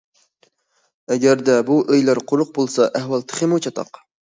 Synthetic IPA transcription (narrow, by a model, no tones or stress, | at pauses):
ɛɡʲæɾd̪ɛbuʔejlæɾqʰʊɾʊq̚bolˠsɑʔæhwɑlˠt̪ʰɨ̥χʲɪmut͡ʃʰɑt̪ʰɑ̰q